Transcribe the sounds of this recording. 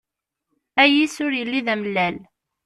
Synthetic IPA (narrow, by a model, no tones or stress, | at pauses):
æjisʊɾjəlːiðæməlːæl